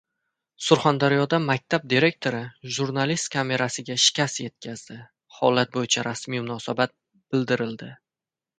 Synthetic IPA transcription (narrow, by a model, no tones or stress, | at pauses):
sʊɾχand̪aɾjɒd̪amak̚ʲt̪ʰab̚d̪iɾe̞k̚ʲt̪ʰo̞ɾɪʒuɾnalist̪kʰame̞ɾasɪɡʲaʃɪ̥kʲʰasje̞t̪̚kʲʰazd̪ɪ | hɒlat̪̚bojɪt͡ʃʰaɾasmijmʊnɒsabat̪̚ | b̥ɪld̪ɪɾɪld̪ɪ